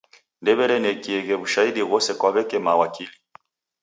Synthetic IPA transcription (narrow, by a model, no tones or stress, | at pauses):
ndɛβɛɾɛnɛkiɛɣɛβuʃaiɗiɣɔsɛkwaβɛkɛmawakili